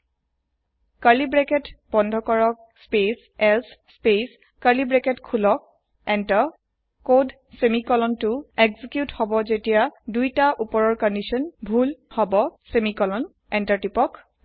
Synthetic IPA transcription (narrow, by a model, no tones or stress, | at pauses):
kaɹlibɹɛkɛtbɔndʱɔkɔɹɔk̚ | spes | ɛlsspes | kalibɹɛkɛtkʰulɔk̚ | ɛnta | kod | semikɔlɔntʊeɡzikjuthɔbɔzetijadujtaʔupɔɹɔɹkɔndisɔnbʱulhɔbɔsemikɔlɔn | ɛntaɹtipɔk